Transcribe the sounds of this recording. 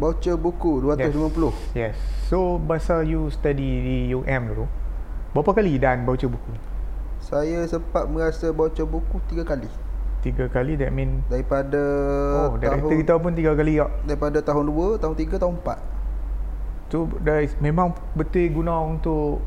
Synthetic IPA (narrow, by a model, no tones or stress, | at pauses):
bawt͡ʃəbukuduat̪ʊslimãpəlʊh | jɛsːobasajust̪adidijoʔɛ̃md̪ulu | bapakalidanbawt͡ʃəbuku | sajasəpat̪̚mə̃ɾasəbawt͡ʃəbukut̪iɡakalit̪iɡakalidɛt̪̚mĩndaɾipadəodɛaəɡit̪aup̬unt̪iɡakaliɡaʔ̚daɾipadat̪aɦʊnduət̪aɦʊnt̪iɡat̪aɦʊ̃mpa̰t̪̚ | sodamẽmãŋ | bət̪wiɡunãunt̪ʊʔ